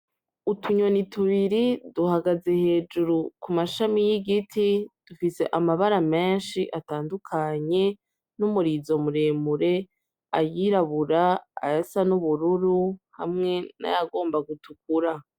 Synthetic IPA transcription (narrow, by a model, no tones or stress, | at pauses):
utʰuɲo̞nitʰuβiɾiduhaɡaze̞he̞ːd͡ʒuɾukumaʃamijiɡitʰid̥ufise̞ʔamaβaɾame̞ːnʃiʔataːndukʰaɲe̞ | numuɾizo̞muɾemuɾe̞ | ajiɾaβuɾaa̰jasanuβuɾuɾuha̰mŋe̞na̰jaɡo̞ːmbaɡutuk̚uɾa